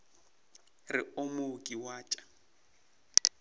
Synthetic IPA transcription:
rɪomokʼiwaːt͡ʃʼḁ

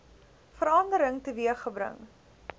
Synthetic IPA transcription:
fəɾɐndəɾəŋtəviəχəbɾə̰ŋ

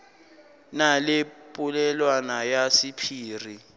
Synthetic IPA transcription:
nalepʼulɛlwanajasipʰiːri

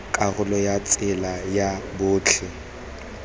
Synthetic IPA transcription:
kʼaɣʊlɔjat͡sʼɪlajabʊːt͡ɬʰɛ

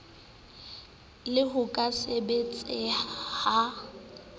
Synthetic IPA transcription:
lɪɦʊkʼasebet͡sʼɪha

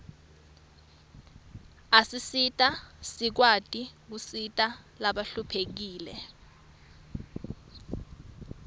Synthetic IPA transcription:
asisitʼasik̬watʼik̬usitʼalaɓaɬupʰek̬iːlɛ

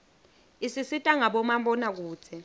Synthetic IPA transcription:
isisitʼaŋaɓɔmambɔnak̬u̥ːt͡sʰɛ

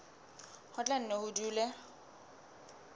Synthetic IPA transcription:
hʊt͡ɬʼɛn̩nehʊduːlɛ

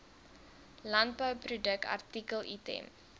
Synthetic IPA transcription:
lɐnt̚bəwprudək̚tɐ̰rtikəlˠitɛ̰m

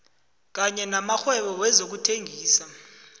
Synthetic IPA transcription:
k̬aɲɛnamaxwɛɓɔwɛzok̬utʰeŋɡʱiːsa

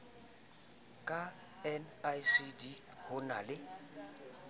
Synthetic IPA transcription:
kʼa | ɛnasidi | hʊnalɪ

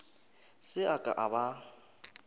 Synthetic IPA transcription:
sɪakʼa̰ʔaba

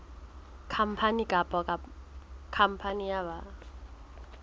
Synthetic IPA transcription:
kʰampʰanikapɔkap̚kʰampʰaniaba

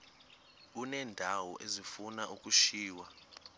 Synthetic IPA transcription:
unɛːndʱawɔʔezifunaʔukʼuʃiːwa

